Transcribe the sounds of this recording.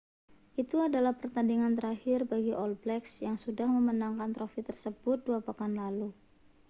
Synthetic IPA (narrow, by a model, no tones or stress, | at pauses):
ʔit̪uadalahpərt̪andiŋant̪əɾahɪrbaɡiʔɔlblɛksjaŋsudahməmənaŋkant̪ɾofit̪ərsəbʊt̪̚duapakanlalu